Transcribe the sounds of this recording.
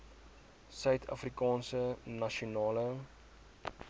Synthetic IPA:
sœɥtʰɐ̰frikɑːnsənɐʃiunɑːlə

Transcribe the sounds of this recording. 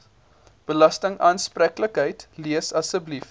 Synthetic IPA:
b̥əlɐstəŋɑːnsprækləkɦəjtliəsɐsəblif

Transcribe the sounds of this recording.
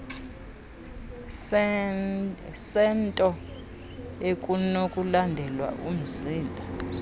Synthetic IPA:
sɛntʼɔ | ekʼunokʼulandʱɛlwa̰ʔum̩ziːnlʱa

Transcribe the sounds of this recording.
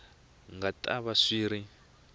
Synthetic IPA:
ŋɡatʼaβaʂiːɾi

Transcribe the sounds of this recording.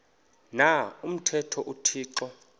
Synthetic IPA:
naum̩tʰɛtʰɔʔutʰiːǁɔ

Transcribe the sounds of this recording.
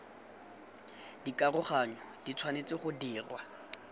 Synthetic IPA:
dikʼarʊχaɲɔd̥it͡sʰwanet͡sɪχʊdiːrwa

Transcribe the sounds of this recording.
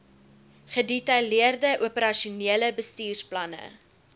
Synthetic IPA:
χədetɐjliərdəʔuəpəɾɐʃiuniələbəstiːrsplɐnə̰

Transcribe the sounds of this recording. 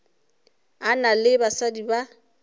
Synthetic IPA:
analɪbasadiba

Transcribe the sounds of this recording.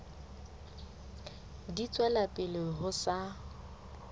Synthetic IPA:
dit͡sʼwɛlapʼɪlɪɦʊsa

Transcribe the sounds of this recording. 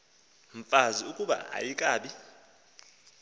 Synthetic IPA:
ɱfaziukʼuɓa̰a̰jikʼaːɓi

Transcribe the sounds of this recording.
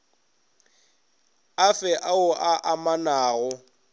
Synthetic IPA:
afɛʔaʊʔaʔamanaːɣʊ

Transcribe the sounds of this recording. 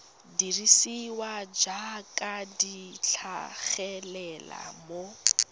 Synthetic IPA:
dirisiwad͡ʒakʼadit͡ɬʰaɣɛlɛla̰mo

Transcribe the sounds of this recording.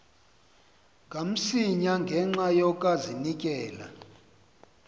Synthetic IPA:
ŋɡʱam̩siɲaŋɡʱɛŋ͡ǁajɔkʼazinikʼɛːla̰

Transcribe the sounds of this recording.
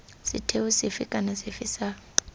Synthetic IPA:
sḭtʰewusifḭkʼanasifisaː

